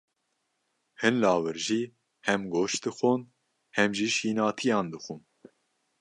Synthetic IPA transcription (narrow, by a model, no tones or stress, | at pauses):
hɨnlɑːwɨɾʒiː | hɛmɡoːʃd̪ɨxʷon | hɛmʒiːʃiːnɑːt̪ʰijɑːnd̪ɨxun